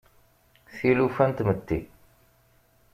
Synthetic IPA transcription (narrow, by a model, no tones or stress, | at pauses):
θilufænt̪mət̪ːi